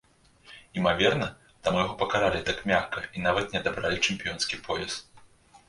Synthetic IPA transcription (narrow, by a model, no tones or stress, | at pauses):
imavʲɛrnɐ | t̪amujaɣɔpɐkaɾalʲit̪akmʲaxkɐin̪avɐt̪nʲɛɐd̪abɾalʲit͡ʂɨmpʲijɔnskʲipʰɔjɛst̪